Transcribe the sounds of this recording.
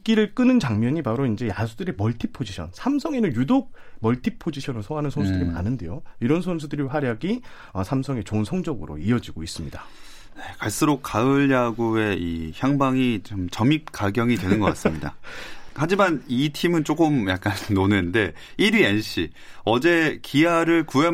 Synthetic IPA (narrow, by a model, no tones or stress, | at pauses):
k͈iɾɯɭk͈ɯnɯnt͡ɕaŋmjʌɲipaɾoind͡ʑe̞jasʰudɯɾemʌɭtʰipʰod͡ʑiɕʰʌ̰nsʰamsʰʌŋe̞nɯnjudok̚mʌɭtʰipʰod͡ʑiɕʰʌnɯɭsʰʌŋɦanɯnsʰonsʰudɯɾima̰nɯnde̞̰joiɾʌnsʰons̬ʰudɯɾiɸwaɾjaɡi | ʌsʰamsʰʌŋe̞t͡ɕonsʰʌŋd͡ʑʌɡɯɾo̰iʌd͡ʑiɡois͈ɯmɲida | ne̞kaɭs͈ɯɾok̚k͈aɯɭjaɡue̞içjaŋbaŋit͡ɕomt͡ɕʌmik̚k͈aɡjʌŋidwenɯnɡʌkka̰s͈mɲida̰had͡ʑimanitʰimɯnt͡ɕ͈okɯmja̰k̚k͈anːonende̞ | iɾienɕ͈i | ʌd͡ʑe̞kʰiaɾɯɭkue̞